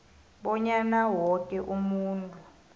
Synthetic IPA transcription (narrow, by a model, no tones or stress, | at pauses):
ɓɔɲanawɔkʼɛʔumuːntʼu